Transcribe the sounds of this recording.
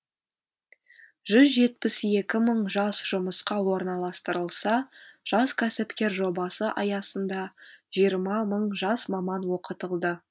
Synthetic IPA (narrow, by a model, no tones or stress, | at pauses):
ʒʏzʒe̞t̪̚pɪsje̞kʲɪməɴʒɑsʒ̥ʊməsqɑwo̞ɾnɑlˠɑst̪əɾəlˠsɑʒ̥ɑskʲʰæsɪpkʲe̞ɾʒo̞bɑsəʔɑjɑsənd̪ɑʒijəɾmɑməɴʒɑsmɑmɑnwo̞qət̪əlˠd̪ə